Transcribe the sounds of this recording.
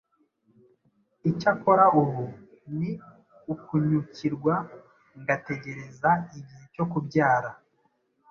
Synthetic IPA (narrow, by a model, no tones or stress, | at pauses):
icako̞ɾauβu | ni | ukuɲuciɾɡwa | ŋɡate̞ɟe̞ɾe̞zaiɟiheco̞kubɟaːɾa